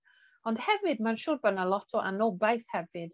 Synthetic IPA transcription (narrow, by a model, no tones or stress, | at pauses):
ɔnd̥hɛvɨd̚manʃuːrbənalˠɔtʰɔʔa̰nɔbajθhɛvɨd̥